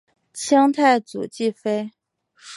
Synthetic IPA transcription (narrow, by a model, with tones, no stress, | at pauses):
t͡ɕʰjɑ˥ŋt̪ʰa˥˩ɪt͡sṵ˨˩t͡ɕi˥˩fe˥ɪ | ʂ